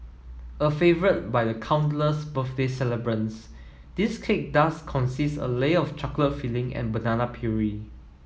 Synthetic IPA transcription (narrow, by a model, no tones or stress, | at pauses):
əfevəɹət̚bajdəkʰãw̃ntləsbəθdesɛləbɹə̃ns | d̥iskʰek̚daskʰɔ̃nsissə̰leɔftʰɹaklətfilɪ̃ŋɛ̰̃nbənanapʰjuɹi